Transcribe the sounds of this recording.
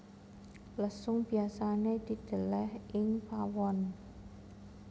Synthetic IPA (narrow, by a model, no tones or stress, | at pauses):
ləsʊŋb̥i̤asaned̪̥i̤d̪̥ə̤lɛhʔɪŋfawɔn